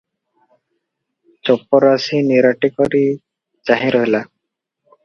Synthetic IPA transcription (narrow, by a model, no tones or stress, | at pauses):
t͡ʃɔpɔɾasiniɾaʈikɔɾi | d͡ʒaɦĩɾɔɦila